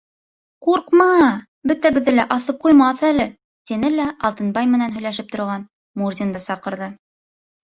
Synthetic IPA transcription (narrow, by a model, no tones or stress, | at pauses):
quɾqmɑ | bɵt̪æbɘ̆ðːɘlæʔɑθɤp̚qujmɑθælɘ | t̪inɘlæʔɑlˠt̪ɤ̆nbɑjmɘ̆nænɦɵ̆jlæʃɘp̚t̪ŏɾʁɑn | muɾd̪ʲind̪ɤsɑqɤ̆ɾðɤ